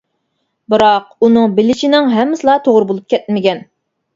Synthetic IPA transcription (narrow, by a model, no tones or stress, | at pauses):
bɨɾɑq̚unɨŋbɪlɪt͡ʃinɪŋɦɛmːɪsɨlˠɑt̪ʰoʁɾɨbolˠup̚kʲʰɛt̪̚mɪkʲɛn